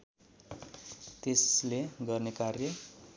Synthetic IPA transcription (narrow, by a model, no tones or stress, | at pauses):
t̪esleɡʌrnekarjʌ